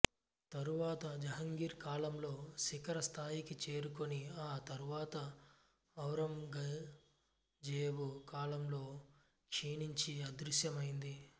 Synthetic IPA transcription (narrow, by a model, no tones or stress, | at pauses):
t̪ɐɾuʋaːt̪ɐd͡ʒɐɦɐŋɡiːɾkaːlɐmlo̞ːsikɐɾɐst̪ʰaːjikit͡ʃe̞ːɾukoniaːt̪ɐɾuʋaːt̪ɐː | wɾɐmɡɐ | d͡ʒeːʋukaːlɐmlo̞ː | kʂiːɳiɲt͡ʃiɐd̪ɾuʃjɐmɐjind̪i